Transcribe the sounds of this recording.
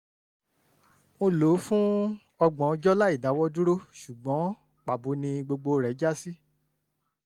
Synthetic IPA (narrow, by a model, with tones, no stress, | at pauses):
mo˧lo˨˦fũ˦ | ɔ˧ɡ͡bɔ̃˨˦d͡ʒɔ˦la˦i˦˨da˨˦wɔ˦du˦ɾo˦ʃu˨ɡ͡bɔ̃˨˦ | k͡pa˨bo˨˦nĩ˧ɡ͡bo˧ɡ͡bo˧ɾɛ˨˦d͡ʒa˦si˦